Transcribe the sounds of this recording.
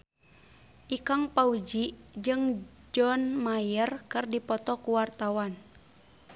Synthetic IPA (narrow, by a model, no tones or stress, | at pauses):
ʔikaŋpaud͡ʒid͡ʒɨŋ | d͡ʒɔnmajərkɨrdipɔt̪ɔkuwart̪awan